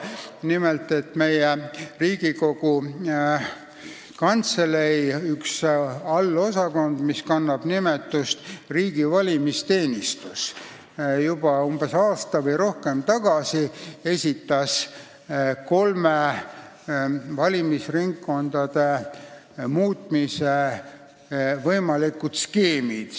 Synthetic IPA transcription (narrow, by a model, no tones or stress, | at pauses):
nimelt̪ˑe̞t̪me̞jeriːɡ̥iko̞ɡ̥u | kɑnt̪selejyksɑlːo̞sɑko̞nd̪̥miskɑnːɑb̥nime̞t̪ːˑust̪riːɡ̥ivɑlʲimist̪e̞ːnʲist̪us | jubɑumb̥e̞sɑːst̪ɑvɤjɾo̞hke̞mt̪ɑɡ̥ɑsie̞sʲit̪ːˑɑs | ko̞lme | vɑlʲimisriŋkːo̞nd̪̥ɑd̪̥e̞ | muːt̪ˑmise | vɤjmɑlikːˑut̪skeːmid̪̥